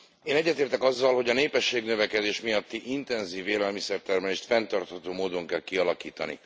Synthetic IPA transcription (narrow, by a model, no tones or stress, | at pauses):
eːnɛɟːɛt̪eːrt̪ɛkɒzːɒlho̞ɟɒneːpɛʃːeːɡnø̞vɛkɛd̪eːʃmijɒt̪ːiʔint̪ɛnziːvːeːlɛlmisɛrt̪ɛrmɛleʃt̪fɛnt̪ɒrt̪hɒt̪oːmoːd̪o̞ŋkɛlkiɒlɒkiːt̪ɒnḭ